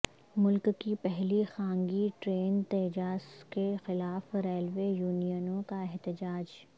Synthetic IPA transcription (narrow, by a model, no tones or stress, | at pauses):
mʊlkːipɛɦlixãːŋɡiʈɾeːnt̪eːd͡ʒaːskexɪlaːfɾeːlʋeːjuːnijənõkaɛɦt̪ɪd͡ʒaːd͡ʒ